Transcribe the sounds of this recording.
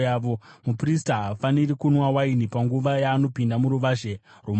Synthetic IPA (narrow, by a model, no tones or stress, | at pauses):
jaːʋo̞mupristaɦafanirikunwawainipaŋɡuʋajaːno̞pindamuɾuʋaːʐe | rum